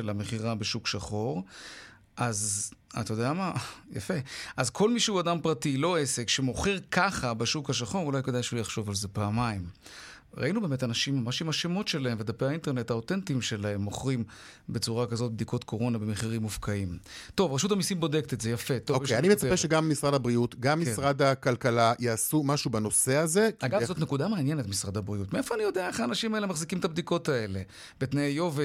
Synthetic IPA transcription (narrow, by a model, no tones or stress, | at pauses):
elameχiʁabeʃukʃaχo̞ʁ | ʔazat̪ajod̪eamaja̰fe̞ʔazkʰo̞lmiʃeuadampʁatilo̞ese̞kʃemo̞χeʁkʰaχabeʃukhaʃ̬aχo̞ʁulajked̪ajʃeujaχʃo̞valze̞paːmaim | ʁa̰inube̞ːmetanaʃimːamaʃimaʃemo̞tʃe̞laemved̪apeainte̞ʁne̞taotentiimʃelae̞mːo̞χʁimbe̞t͡suʁakazo̞t̚bd̪ikʰo̞tkʰo̞ʁo̞nabemeχiʁimːufkʰaimto̞vʁeʃutamisimbo̞dektetze̞jafe̞t̪oovkanimet͡sapeʃeɡamːisʁad̪abʁiutɡamːisʁad̪akalkalajeasumaʃubano̞se̞azekaɡavzot̪nekudameanjenetmisʁad̪habʁiutmeefoanijo̞deaeχaːnaʃimaelemaχzikimt̪abd̪iko̞tae̞le̞ | betnejo̞vi